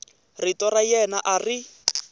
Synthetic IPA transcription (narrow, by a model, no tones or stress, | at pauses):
ritɔrajɛnaʔari